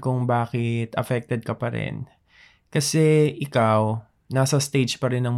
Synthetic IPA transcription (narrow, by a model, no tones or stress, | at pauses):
kʊŋbaːkɪt̪ʔɐ̰fɛk̚t̪ɛd̪̚kɐpɐɾɛ̰n | kɐsɛʔɪkaw | naːsɐst̪ejd͡ʒpɐɾɛnɐŋm